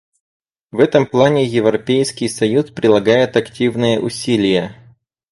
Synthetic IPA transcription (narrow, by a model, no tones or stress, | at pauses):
vɛt̪əmplˠanʲɪjɪvɾɐpʲejskʲɪjsɐjuspɾʲɪlˠɐɡajɪt̪ɐktʲivnɨjəʔʊsʲilʲɪjə